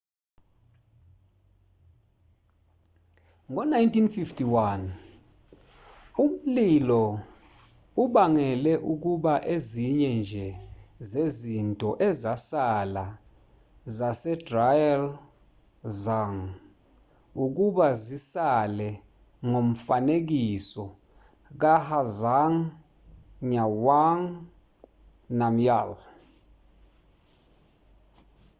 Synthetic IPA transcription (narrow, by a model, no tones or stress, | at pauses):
ŋɔnajntinfiftʰiwan | um̩lilɔ | uɓaŋɛlɛʔuk̬uɓaʔeziɲɛnd͡ʒʱɛzezintʼɔʔɛzasala | zasɛdrajal | zaŋ | uk̬uɓazisalɛ | ŋom̩fanek̬isɔ | k̬ahazaŋ | ɲawaŋ | namjal